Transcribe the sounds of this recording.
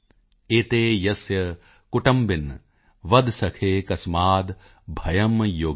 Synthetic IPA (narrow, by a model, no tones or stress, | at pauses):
eːt̪eːjɐsjɐ | kuʈɐmbin | ʋɐd̪sɐkʰeːkɐsmaːd̪ | bʱɐjɐmjoː